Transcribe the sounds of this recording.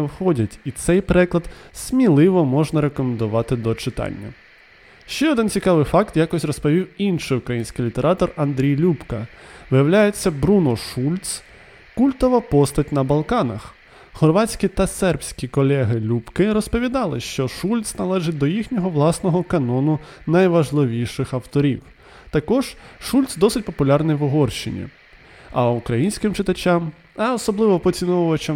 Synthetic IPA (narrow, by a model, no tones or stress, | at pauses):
ɛwxɔdʲɐtʲit̪sɛjpɾɛklˠɐd̪sʲmʲilˠɪʋɔmɔʒnɐɾekɔmend̪ʊʋɑt̪ɪd̪ɔt͡ʃɪt̪ɑ̰nʲːɐ | ʃt͡ʃɛɔd̪ɪnt͡sʲikɑʋɪjfɑkt̪jakɔsʲrɔspɔʋʲiwinʃɪjukɾɐjinʲsʲkʲɪjlʲit̪eɾɑt̪ɔrɐnd̪ɾʲijlʲupkɐʋɪjɐwlʲajet͡sʲːɐbɾunɔʃulʲt̪s | kulʲt̪ɔʋɐpɔst̪ɐtʲnɐbɐlˠkɑnɐ̰x | hɔrʋɑt͡sʲkʲit̪ɐsɛrpsʲkʲikɔlʲɛɦɪlʲupkɪɾɔspɔʋʲid̪ɑlˠɪʃt͡ʃɔʃulʲt̪snɐlˠɛʒɪt̚ʲd̪ɔjixnʲɔɦɔʋlˠɑsnɔɦɔkɐnɔnʊ | nɐjʋɐʒlˠɪʋʲijʃɪxɐwt̪ɔɾʲiw | t̪ɐkɔʒ̥ʃulʲt̪sd̪ɔsɪtʲpɔpʊlʲɑrnɪjʋʊɦɔrʃɪ̰nʲḭ | ɐukɾɐjinʲsʲkɪmt͡ʃɪt̪ɐt͡ʃʲɑm | ɛɔsɔblˠɪʋɔpɔt͡sʲinɔʋɔʋɐt͡ʃɐm